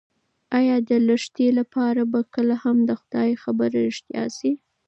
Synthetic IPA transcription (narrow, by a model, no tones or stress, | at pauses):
ɑjɑd̪ələʂt̪elapɑɾabakəlahamd̪əxʊd̪ɑjxabəɾɪʂt̪jɑ̰si